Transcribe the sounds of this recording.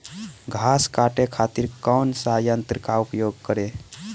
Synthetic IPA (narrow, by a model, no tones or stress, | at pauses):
ɡʱaskaʈekʰat̪iɾkəwnsajənt̪ɾəkaupjoɡ̚kəɾe